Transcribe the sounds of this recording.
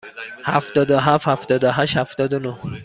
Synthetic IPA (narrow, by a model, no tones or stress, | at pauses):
hæft̪ɒːd̪oɦæfhæft̪ɒːd̪oɦæʃhæft̪ɒːd̪onoh